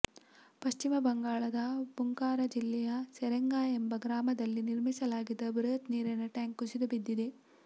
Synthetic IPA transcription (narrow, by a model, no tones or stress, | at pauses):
pɐʃt͡ʃimɐbɐŋɡaːɭɐd̪ɐb̥uŋkaːɾɐd͡ʒilːɛjɐseɾeŋɡaːembɐɡɾaːmɐd̪ɐlːiniɾmisɐlaːɡid̪ːɐbɾɐɐt̪niːɾɐnɐʈaːŋkusid̪ubid̪ːid̪e̞